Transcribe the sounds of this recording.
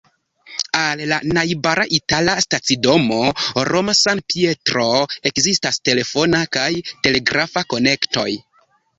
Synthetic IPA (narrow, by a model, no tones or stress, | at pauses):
alːanajbaɾaʔitalastat͡sido̞mo̞ɾʔomasanpie̞tɾo̞e̞kzistaste̞le̞fo̞nakajte̞le̞ɡɾʔafako̞ne̞kto̞̰j